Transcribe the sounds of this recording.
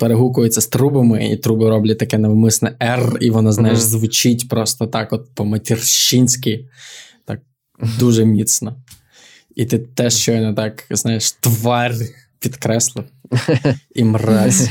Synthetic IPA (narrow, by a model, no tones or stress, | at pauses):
peɾeɦukʊjɪt͡sʲːɐst̪ɾubɐmɪḭt̪ɾubɪɾɔblʲɛt̪ɐkɛneʋmɪsnɛʔɛriʋɔnɔznajɪʒzʋʊt͡ʃitʲpɾɔst̪ɔt̪ɑkɔt̪̚pɔmɐtʲirʃinʲsʲkɪjt̪ɑ̰k̚ | d̪uʒɛmʲit̪snɔ | it̪ɪt̪ɛʃt͡ʃɔjnɛt̪ɑkznɑjeʃt̪ʋɑrʲ | pʲid̪kɾɛslˠɪw | imrɑsʲ